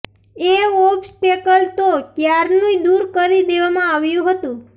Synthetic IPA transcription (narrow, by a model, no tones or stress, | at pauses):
eopsʈekəlt̪okjaɾnũid̪uɾkəɾid̪eʋamãaʋjũɦət̪ũ